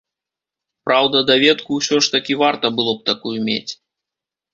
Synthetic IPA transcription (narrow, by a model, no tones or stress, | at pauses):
pɾawd̪ɐd̪avʲɛt̪kuwsʲɔʂt̪ɐkʲivart̪ɐbɨlˠɔp̚t̪akujumʲḛt͡sʲ